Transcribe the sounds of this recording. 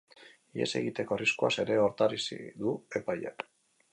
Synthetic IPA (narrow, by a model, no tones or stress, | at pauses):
iḛse̞̰ɣit̪e̞ko̞riskuase̞ɾe̞o̞ɾt̪aɾisḭd̪ue̞pajak